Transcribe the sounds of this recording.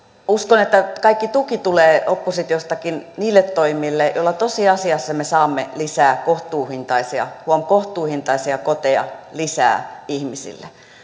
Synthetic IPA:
uskonet̪ːækɑikːit̪ukit̪uleːopːosit̪iost̪ɑkinniːlːet̪toimˑilːejo̰lːɑt̪osiɑsiɑsːɑmesɑːmːelisæːkoht̪uːhint̪ɑisiɑ̰huomkoht̪uːhint̪ɑisiɑkot̪eɑ̰lisæ̰ːihmisḭlːe

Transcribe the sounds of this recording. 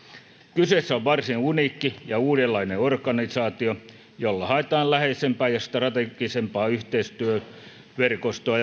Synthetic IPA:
kysesːæoʋʋɑrsinunikːijɑuːdelːɑineorkɑnisɑːt̪io | jolːɑhɑet̪ɑːllæheisempæːjɑst̪rɑt̪eɡisempɑːyht̪eist̪yø | ʋerkost̪oɑ

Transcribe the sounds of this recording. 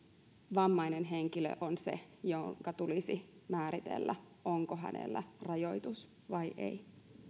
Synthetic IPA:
ʋɑmːɑjnenɦeŋkilø̰ʔonse̞̰joŋkɑt̪ulisimæːɾit̪ḛlːæ | o̞ŋkoɦæ̰nḛlːæ̰rɑjo̞jt̪us | ʋɑjʔḛj

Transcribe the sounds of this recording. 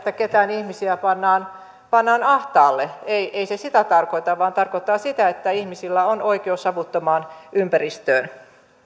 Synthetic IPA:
t̪ːæket̪æːnihmisiæpɑnːɑːn | pɑnːɑːnɑht̪ɑːlːeeiʔeisesit̪æt̪ɑrkoit̪ɑʋʋɑːnt̪ɑrkot̪ːˑɑːsit̪æet̪ːæihmisilːæonoikeosɑʋut̪ːomɑːnympærist̪øːn

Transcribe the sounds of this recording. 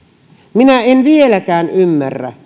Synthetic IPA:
minæenʋielækæːnymːærːæ̰

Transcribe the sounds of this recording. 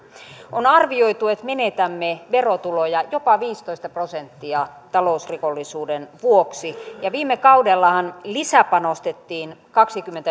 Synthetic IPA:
onɑrʋioit̪uet̪menet̪æmːeʋerot̪ulojɑjopɑʋiːst̪oist̪ɑprosent̪ːiɑt̪ɑlousrikolːisuːdenʋuoksijɑʋiːmːekɑudelːɑhɑnlisæpɑnost̪et̪ːiːnkɑksikymːent̪æ

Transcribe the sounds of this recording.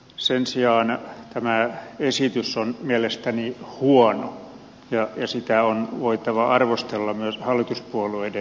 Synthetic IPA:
sensiɑːnt̪æmæesit̪ysːonmiælest̪ænihuɔno | jɑjɑsit̪æonʋoit̪ɑʋɑʔɑrʋost̪elːɑmyøshɑlːˑit̪uspuolueide

